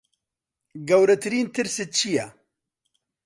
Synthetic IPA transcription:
ɡɐwɾɐt̪ʰɨɾiːnt̪ʰɨɾsɨt͡ʃʰija

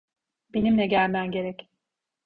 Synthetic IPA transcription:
be̞nimlɛɟælʲmæmɟe̞ɾɛc

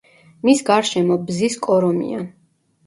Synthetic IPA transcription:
misɡaɾʃɛmɔbziskʼɔɾɔmḭa̰n

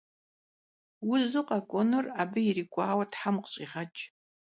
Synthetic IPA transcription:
wʊzɨqʼakʷʼɔnɨraːbɨiriːkʷʼaːwɐtħamqɕʼiːʁɐt͡ʃʼ

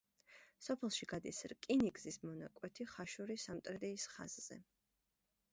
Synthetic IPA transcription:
sɔpʰɛlˠʃiɡad̪isɾkʼiniɡzismɔnakʼwɛt̪ʰiχaʃuɾisamt̪ʼɾɛd̪ɛːsχa̰z̥z̥ɛ̰

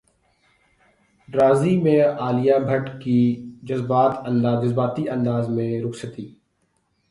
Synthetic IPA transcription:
ɖɾaːzimẽaːlijabʱəʈkid͡ʒɐzbaːt̪ɐ̃nd̪aːd͡ʒəzbaːt̪iɐ̃nd̪aːzmẽɾʊksət̪iː

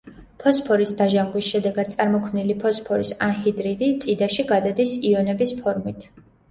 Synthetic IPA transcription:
pʰɔspʰɔɾisd̪aʒaŋɡwisʃɛd̪ɛɡad̪̥̚t̪sʼaɾmɔkʰmnilipʰɔspʰɔɾisanhid̪ɾid̪it̪sʼid̪aʃiɡad̪ad̪isiɔnɛbispʰɔɾmit̪ʰ

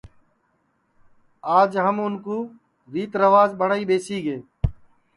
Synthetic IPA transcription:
aːd͡ʒɦəmʊnkuː | ɾiːt̪ɾəʋaːzɓəɳaːiːɓeːsiːɡeː

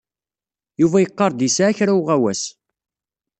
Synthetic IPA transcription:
juvæjəqːɑɾˤd̪isaːçɾawʁæwæs

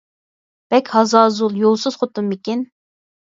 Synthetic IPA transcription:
b̥ɛkʲhɑzɑːzulˠjolˠsɨz̥χot̪umːikʲin

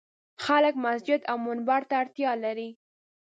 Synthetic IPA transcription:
xalək̚masd͡ʒɪd̪awmʊnbaɾt̪aːɽt̪jɑlaɾi

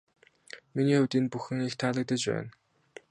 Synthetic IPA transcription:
miniːʊwt̪iːnpuxɘ̆ŋixt̪ʰaːɮə̆k̚t̪ə̆t͡ɕpæ̰ːn

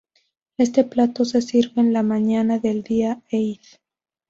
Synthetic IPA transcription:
e̞st̪e̞plat̪o̞se̞siɾβe̞ːnlamãɲanaðe̞ld̪iaejθ

